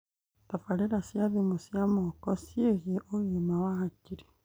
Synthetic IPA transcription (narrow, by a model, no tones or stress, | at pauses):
tafaɾiɾasjaðimusjamokosjeɣeʔoɣemawahaciɾi